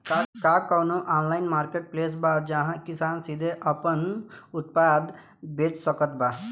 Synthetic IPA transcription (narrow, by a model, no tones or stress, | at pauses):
kakakɔnoʔaːnlaːɪnmaːɾkeːʈ̚pleːs̬bad͡ʒaɦãkisaːnsid̪ʱeʔəpənʊt̪̚pad̪ | beːt͡ʃsəkət̪ba